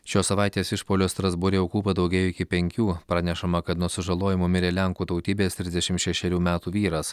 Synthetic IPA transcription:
ʃʲoːsɐʋɑˑɪt̪ʲeːsɪʃpoːlʲost̪ɾɐzbʊɾʲeʊkuːpɐd̪ɒʊɡʲɛjoɪkʲɪpʲɛŋʲkʲuːpɾɑnʲɛʃɐmɐkɐt̪nuɔsʲɪʒɐlˠoːjɪmumʲɪɾʲeːlʲɛŋkuːt̪ɐʊt̪ʲiːbʲeːst̪ʲɾʲɪzʲd̪ʲɛʃʲɪmt̪ʃʲɛʃʲɛɾʲuːmʲæːt̪uːʋʲiːɾɐs

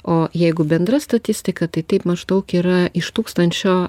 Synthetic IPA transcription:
oːjɛɪɡʊbʲɛnd̪ɾɐst̪ɐt̪ʲɪsʲt̪ʲɪkɐt̪ɐɪt̪ɐɪpmɐʒd̪ɐʊkiːɾɐʔɪʃt̪uːkst̪ɐnʲt͡ʃʲoː

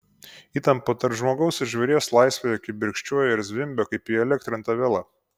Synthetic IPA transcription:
iːt̪ɐmpot̪ɐɾpʒmoːɡɐʊsɪʒʲʋʲɛɾʲeːslˠɐɪsʲʋʲejɛkʲɪbʲɪɾʲkʃʲt͡ʃʲuɔjoɪɾzʲʋʲɪmʲbʲoːkɐɪpiːɛlʲɛkt̪ʲɾʲɪnt̪ɐʋʲɛlˠɐ

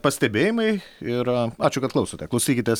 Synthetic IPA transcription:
pɐsʲt̪ʲɛbʲeːjɪmɐɪɪɾɐɑːt͡ʃʲʊkɐt̪klˠɐʊsoːt̪ʲɛklˠɐʊsʲiːkʲɪt̪ʲɛs

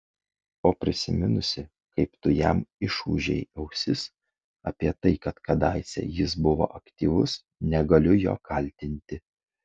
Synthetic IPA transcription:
oːpʲɾʲɪsʲɪmʲɪnʊsʲɪ | kɐɪpt̪ʊjɛmɪʃuːʒʲɛ̰ɪɛʊsʲɪs | ɐ̰pʲiɛt̪ɐɪkɐt̪kɐd̪ɑˑɪsʲɛ̰jɪs̬bʊʋo̰ːʔɐkt̪ʲiːʋʊs | nʲɛɡɐlʲʊjo̰ːkʰɐlʲˑt̪ʲɪnʲt̪ʲɪ

